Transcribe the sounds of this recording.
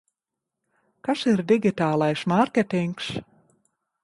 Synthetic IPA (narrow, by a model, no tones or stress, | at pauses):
kasiɾd̪ʲiɡʲit̪aːlˠajsmaɾkʲet̪iŋks